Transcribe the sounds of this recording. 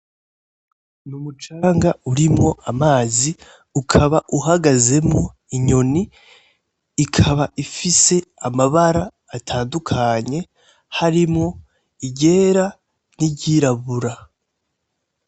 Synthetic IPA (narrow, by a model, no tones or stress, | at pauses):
numut͡ʃaːŋɡauɾimŋo̞ʔamaːzi | ukʰaβaʔuɦaɡaze̞mŋo | iɲo̞ni | kʰaβaʔifise̞amaβaɾaː | tʰaːndukʰaɲe̞ | haɾimŋo̞ | iɟe̞ːɾa | niɟiɾaβuɾa